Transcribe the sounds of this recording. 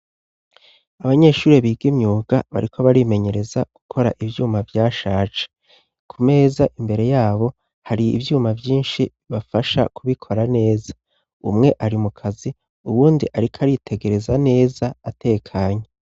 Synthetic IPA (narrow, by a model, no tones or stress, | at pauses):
aβaɲe̞ːʃuːɾeβiːɡimɲuːɡaβa̰ɾikʰo̞βaɾime̞ɲe̞ɾe̞zaɡ̥ukʰo̞ɾa̰ʔivjuːmavjaːʃaːt͡ʃe̥ | kʰume̞ːzaʔimbe̞ɾe̞jaːβo̞ | haɾiḭvjuːmavjiːnʃi | βafaʃa̰kuβikʰo̞ɾane̞ːzḁ | ṵmŋe̞ʔaɾimukʰazi | uβuːndiʔaɾikʰaɾitʰe̞ɡe̞ɾe̞zane̞ːzaːte̞ːkʰaːɲe